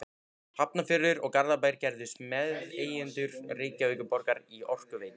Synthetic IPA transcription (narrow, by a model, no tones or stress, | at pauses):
hapnafɪɾːɪɾɔɣkaɾðapaːjɾ̥cɛɾðɪst̪mɛððeːjɪnt̪ʏɾ̥rɪːcaveːjkʏpɔɾkaɾiɔr̥kʏveːjn